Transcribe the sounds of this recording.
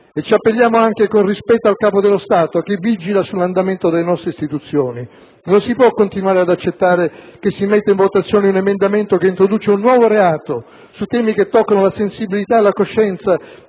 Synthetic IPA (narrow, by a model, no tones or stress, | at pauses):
et͡ʃiapːeʎːjaːmoaŋkekonrispɛt̪ːoalkaːpod̪elːost̪aːt̪ok̟evːid͡ʒilasulːand̪ament̪od̪elenɔst̪ɾeist̪it̪ut̪sːjoːni | nonsipwɔkːont̪inwaːɾead̪at͡ʃːet̪ːaːɾek̟esːimet̪ːaiɱvot̪at̪sːjoːneunemend̪ament̪okeint̪ɾod̪uːt͡ʃeunːwɔːvoɾeaːt̪o | sut̪ːɛːmik̟et̪ːɔkːanolasensibilit̪aelːakoʃːɛnt̪sa